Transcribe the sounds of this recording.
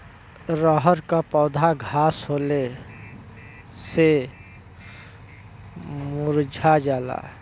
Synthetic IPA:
ɾəɦəɾkapɔːd̪ʱaɡʱasɦole | se | muɾd͡ʒʱad͡ʒaːla̰

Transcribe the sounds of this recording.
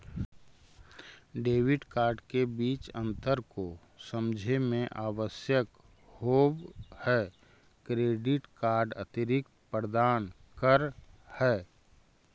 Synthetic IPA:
ɖeːwɪɖkaːɾɖkebiːt͡ʃə̰̃nt̪əɾko | səmd͡ʒʱemẽʔaːʋəsjək | hoːbhɛː | kɾeːɖɪʈkaːɾɖə̰t̪ɪɾɪk̚ | pəɾd̪aːn | kəɾhɛː

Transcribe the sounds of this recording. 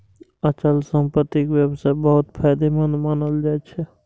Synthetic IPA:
ət͡ʃəlsəmpət̪ːikwjəbsabəɦʊt̪pʰaːjd̪emənmanəld͡ʒaːt͡ʃʰɛ

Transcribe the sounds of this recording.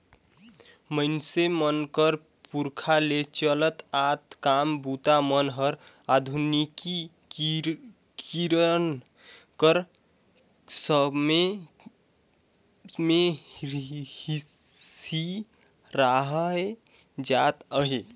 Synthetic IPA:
məɪnsemənkəɾ | puɾkʰalet͡ʃələt̪at̪kambut̪amənɦəɾ | ad̪ʱuniki | kiɾən | kəɾ | səbme | me | i | si | ɾaɦəe | d͡ʒat̪əɦe

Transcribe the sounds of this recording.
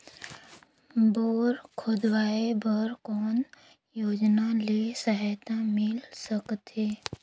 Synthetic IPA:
boːɾkʰod̪waːebəɾkɔːn | joːd͡ʒnalisəɦaːt̪ãmɪlsəkt̪eː

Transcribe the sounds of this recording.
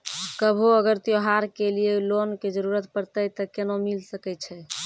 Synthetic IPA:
kəbʱuəɡəɾt̪joɦaɾkelijelonked͡ʒəɾuɾət̪pəɾt̪əjt̪əkenomilsəkɛt͡ʃʰɛ

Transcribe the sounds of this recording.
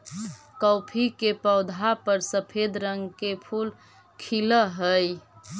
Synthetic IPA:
kəʊpʰikepəʊd̪ʱapəɾsəpʰed̪ɾəŋɡkepʰul | kʰiləɦəj

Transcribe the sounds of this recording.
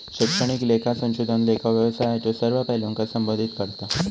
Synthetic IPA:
ɕikʂəɳ̃iklekʰasə̃ɕud̪ʱənlekʰaʋjəʋsajajt̪osəɾʋapəɦloŋkasəmbod̪ʱit̪kəɾt̪a

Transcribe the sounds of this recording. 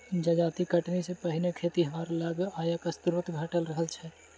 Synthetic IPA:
d͡ʒad͡ʒaːt̪ikɐʈnisepəɦɪnekʰeːt̪iɦɐmaːɾalaɡaːjakast̪uɾət̪ɡʱɐʈəlɾɐɦəlt͡ʃʰɛ

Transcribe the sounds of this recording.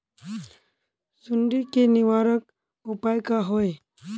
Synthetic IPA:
suɳɖikeniʋaɾək̚ | upajkaɦoj

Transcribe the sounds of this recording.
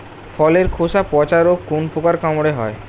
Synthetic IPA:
fʰɔleɾkʰosapɔt͡ɕaɾokːonpukaɾkamoɽeɦɔe

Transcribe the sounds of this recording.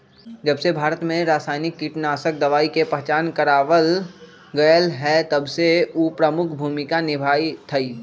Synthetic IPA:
d͡ʒəbsebʱaːɾət̪mẽɾaːsaːɪnɪkːiːʈnaːsək̚d̪ɐʋaːikepəɦt͡ʃaːnkəɾaːʋəl | ɡɐjəlɦɛt̪ɐbseuːpɾəmʊkʰbʱuːmɪkanɪbʱaːit̪ʰɐiː

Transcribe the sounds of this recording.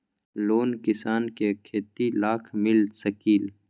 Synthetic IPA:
loːnkɪsaːnkekʰeːt̪ilaːkʰmɪlsɐkiːl

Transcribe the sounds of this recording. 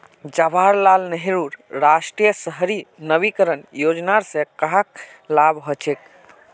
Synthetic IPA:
d͡ʒabʱaɾlalnəɦiɾuɾɾaʃʈɾijəsəɦɾinəbikəɾənjod͡ʒnaɾsẽkaɦak | labɦɔt͡ʃʰek̚

